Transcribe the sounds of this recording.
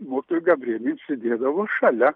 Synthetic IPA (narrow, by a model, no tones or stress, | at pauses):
moːkʲɪt̪oːjuɡɐbʲrʲiɛnʲesʲɪd̪ʲeːd̪ɐʋoːʃɐlʲɛ